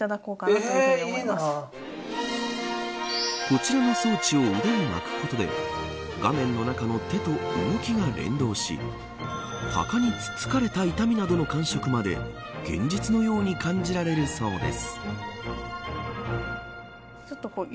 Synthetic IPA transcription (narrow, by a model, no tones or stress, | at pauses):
t̪ad̪ako̞ːka | as | ko̞t͡ɕiɾano̞soːt͡ɕio̞ɯd̪aɲima̰kɯ̥ko̞t̪o̞d̪e̞̰ | ɡ̥amẽ̞nːo̞nakano̞t̪e̞t̪o̞ɯ̰ɡokʲiɡaɾẽ̞̰nd̪o̞ːɕḭ | ha̰kaɲ̟it͡sɨ̥t͡sɨ̥kaɾe̞t̪ait̪amʲinad̪o̞no̞kãɰ̃ɕo̞kɯ̟mad̪e̞̰ | ɡ̥ẽ̞̰ɲ̟d͡ʑit͡sɨno̞jo̞ːɲ̟ikʰãɲ̟d͡ʑiɾaɾe̞ɾɯ̟so̞ːd̪e̞̰sɨ̥ | t͡ʃot̪ːoko